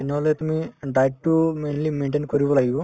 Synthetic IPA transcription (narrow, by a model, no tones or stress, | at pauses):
inɐlet̪miɖɐjʈʈːumeːnlimeːɳʈenkoɾuʋɐlɐju